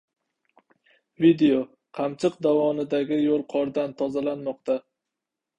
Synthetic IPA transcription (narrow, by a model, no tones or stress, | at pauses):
vid̪eo | qʰɑmt͡ʃʰɨqd̪avɒnɪd̪aɡʲɪjolˠqʰɒɾd̪ant̪ʰɒzalanmɒqt̪ʰa